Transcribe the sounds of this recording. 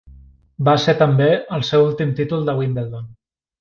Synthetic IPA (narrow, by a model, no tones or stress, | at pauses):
baset̪əmbeəlˠsewulˠt̪imt̪it̪ulˠd̪əwimbeld̪on